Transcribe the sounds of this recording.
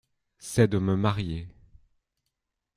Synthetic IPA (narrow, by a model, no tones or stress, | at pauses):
sɛd̪əməmaʁje